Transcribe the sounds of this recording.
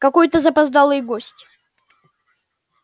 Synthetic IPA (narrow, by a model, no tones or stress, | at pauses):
kɐkojt̪əzəpɐzd̪alˠɨjɡosʲtʲ